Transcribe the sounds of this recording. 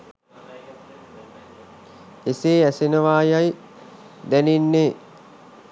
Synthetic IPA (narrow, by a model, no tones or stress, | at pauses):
eseːæsenəʋaːjaj | d̪æninːeː